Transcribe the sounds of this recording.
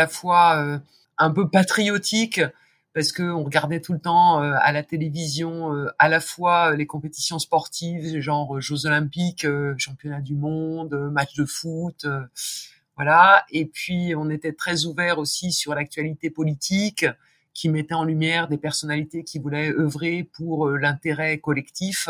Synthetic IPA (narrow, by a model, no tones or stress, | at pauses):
alafwaø | ɛ̃pøpat̪χijɔt̪ʰik | paʁsə̥kəɔ̃ʁəɡaʁd̪ɛt̪ulət̪ɑ̃øa̰lat̪elevizjɔ̃øalafwaølekɔ̃pet̪i̥sjɔ̃spɔʁt̪ʰivʒɑ̃ʁøʒozɔlɛ̃pikøʃɑ̃pjɔnad̪ymɔ̃d̪ømat͡ʃd̪əfut̪ø | vwalaepɥiɔ̃net̪ɛt̪χɛzuvɛʁosisyʁlak̚t̪ɥalit̪epɔlit̪ʰikʲʰː | imɛt̪ɛɑ̃lymjɛʁd̪epɛʁsɔnalit̪ekʲivulɛœvʁepuʁølɛ̃t̪eʁɛkɔlɛkt̪if